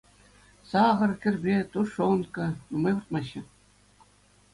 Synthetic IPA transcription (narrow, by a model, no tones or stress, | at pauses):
sɑʁɤ̆rkʲɘ̆rʲbʲet̪uʂonkɤ̆numɤjʋurt̪̚mɑɕːɘ̆